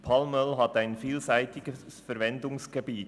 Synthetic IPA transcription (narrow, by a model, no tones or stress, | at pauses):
pʰɑlmœlɦɑt̪æɪnfiːlsæɪtɪɡ̥əssfəɾvɛndʊŋsɡ̥ebiːt